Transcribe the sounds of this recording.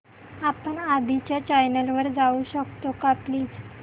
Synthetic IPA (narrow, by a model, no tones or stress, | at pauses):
apəɳad̪it͡ɕjat͡ɕajnəlʋəɾd͡zauɕəkt̪okapliːd͡z